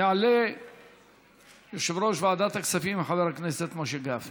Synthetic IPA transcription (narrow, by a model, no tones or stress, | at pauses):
jaʕle | joʃevɾoʃvaʕad̪at̪aksafimħaveɾakneset̪maʃeɡaf